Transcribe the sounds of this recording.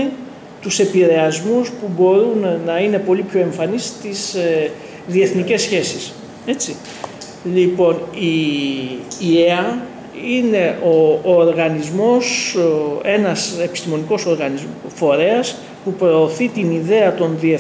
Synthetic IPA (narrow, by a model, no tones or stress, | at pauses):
t̪use̞piɾe̞ɐzmuspubo̞ɾunːɐine̞po̞lipço̞e̞ɱfɐnist̪is | ðie̞θnice̞sçe̞sis | e̞t͡si | lipo̞niː | e̞ɐ | ine̞ʔoːɾɣɐnizmo̞s | e̞nɐse̞pi̥st̪imo̞niko̞so̞ɾɣɐnizmfo̞ɾe̞ɐs | pupɾo̞ːθit̪iniðe̞ɐt̪o̞nðie